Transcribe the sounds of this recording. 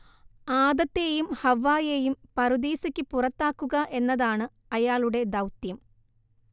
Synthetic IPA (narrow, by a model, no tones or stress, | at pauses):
aːd̪ɐt̪ːejumhɐʋːaːjejumpɐɾud̪iːsikʲːɨpurɐt̪ːaːkːuɣɐʔe̞nːɐðaːɳɨ | ɐjaːɭuɽe̞d̪ɐwt̪jɐm